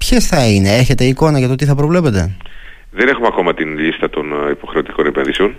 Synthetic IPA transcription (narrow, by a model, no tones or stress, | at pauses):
pçesθɐine̞eçet̪e̞iko̞nɐʝɐt̪ot̪iθɐpɾo̞vle̞pe̞t̪e̞̰ | ðene̞xumeɐko̞mɐt̪inʎist̪ɐt̪o̞nipo̞xɾe̞o̞t̪i̥ko̞nepenðise̞o̞n